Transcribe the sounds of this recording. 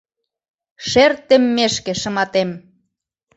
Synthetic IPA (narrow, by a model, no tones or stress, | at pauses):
ʃert̪emːeʃkĕʃə̆mɑt̪em